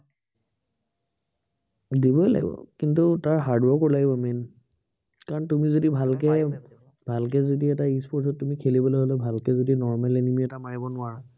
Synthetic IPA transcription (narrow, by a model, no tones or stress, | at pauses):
dibɔla̰ɡḭbɔ̰kintutaɹɦaɹdwɔɹkɔlaɡibɔmɛn | kaɹɔntumizodibʱalkɛ | bʱalk̬ɛzodiɛtaispʰɔɹtʰɔtːumikʰelibɔlɔɦɔlɛbʱalkɛzodinɔɹmalenimiɛtamaɹibɔnʊaɹa